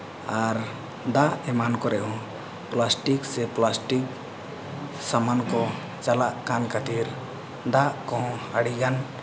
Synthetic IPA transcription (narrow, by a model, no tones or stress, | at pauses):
aɾ | d̪aʔemankɔɾɛɦũ | plasʈikseplasʈik | samankɔ | t͡ʃalaʔkankʰat̪iɾ | d̪akɔ̃ɦɔ̃əɽiɡan